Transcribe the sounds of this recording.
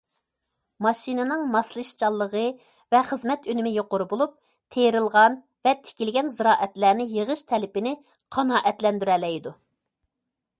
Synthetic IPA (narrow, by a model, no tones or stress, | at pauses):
mɑʃinɨnɨŋmɑslˠɨʃt͡ʃʰɑlˠːəʁə | vɛχəzmɛt̪ønɪmɪjoqʊɾubolˠup̚ | t̪ʰeɾɨlˠʁɑn | vɛt̪ʰɪ̥kʲilɡʲɛnzɨɾɑːʔɛt̪læːnɪjeʁəʃt̪ʰɛlɪpɪnɪ | qʰɑnɑːʔɛt̪lɛnd̪yɾɛlɛjd̪u